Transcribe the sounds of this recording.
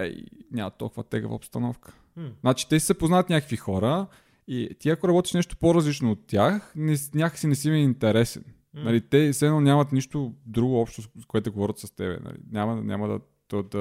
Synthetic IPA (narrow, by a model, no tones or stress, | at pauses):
ɛ̰inʲamɐ̰t̪ːɔ̰lˠkʊvɐ̰t̪ɛ̰ɡə̰və̰opst̪ɐnɔfkə̥ | znat͡ʃi̥t̪ɛsi̥səpoznaɐt̪nʲakəkvixɔɾə | it̪iɐkoɾɐbɔt̪i̥ʃnɛʃt̪o̥poɾɐzlit͡ʃnoːt̪ʲːjaxnɛsnʲakə̥sinɛsimɛint̪ɛɾɛsɛn | nɐlit̪ɛsɛnɔnʲamɐt̪niʃt̪od̪ɾuɡoɔpʃt̪ozkoɛt̪ʊɡovɔɾʲət̪sɐst̪ɛbɛ̰nɐ̰lḭnʲamɐnʲʔa̰məd̪ɐ̰ | d̪̥əd̪ɐ